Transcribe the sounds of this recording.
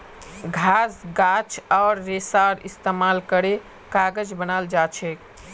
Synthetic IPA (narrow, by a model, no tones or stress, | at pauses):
ɡʱasɡat͡ʃaːɾːesaɾist̪emalkəɾe | kaɡəd͡ʒbənald͡ʒat͡ʃʰɛk